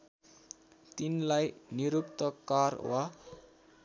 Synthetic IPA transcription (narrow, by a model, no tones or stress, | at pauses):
t̪inlajniɾup̚t̪əkarwa